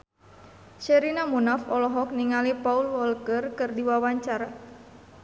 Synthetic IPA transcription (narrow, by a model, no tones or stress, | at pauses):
ʃɛɾinamunafɔlɔɦɔk̚niŋalipaulwɔlkərkɨrdiwawaɲt͡ʃaɾa